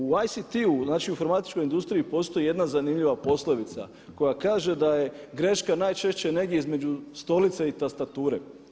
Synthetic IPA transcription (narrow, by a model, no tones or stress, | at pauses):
uajsit̪iunaːt͡ʃiufoɾmat̪i̥t͡ʃko̞jind̪ust̪ɾiipo̞st̪o̞jijed̪nazanimʎiʋapo̞slˠo̞ʋit̪sa̰ | ko̞jakaːʒe̞d̪aje̞ɡɾe̞ʃkanaːjt͡ʃe̞ʃt͡ɕe̞ne̞ɡd̪je̞izme̞d͡ʒust̪o̞lit̪seit̪ast̪at̪uːɾe̞̰